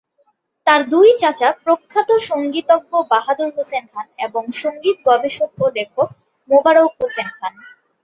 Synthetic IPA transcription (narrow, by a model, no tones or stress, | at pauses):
t̪aɾd̪ujt͡ɕat͡ɕapɾokʰːat̪oʃoŋɡit̪oɡːobaɦad̪oɾɦosenkʰaneboŋʃoŋɡit̪̚ɡɔbeʃok̚olekʰok̚ | mobaɾowkɦosenkʰan